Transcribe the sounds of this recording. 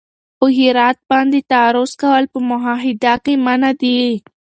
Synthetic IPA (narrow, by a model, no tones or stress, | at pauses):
pəɦɪɾɑt̪̚bɑnd̪et̪aɾʊskawəlpəmʊɦɑɦɪd̪akemanad̪i